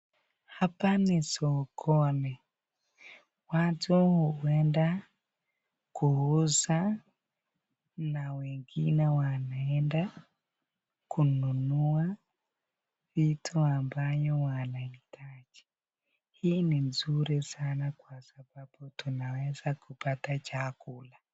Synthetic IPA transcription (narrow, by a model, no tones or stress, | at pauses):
hapanisɔkʰɔnɛ | watuhuɛnda | kuhusa | nawɛŋɡinɛwanaɛnda | kununua | vitʰuambajɔwanaitʰad͡ʒɛ̥ | hiːninzuɾɛsanakwasababutunawɛzakupatat͡ʃakula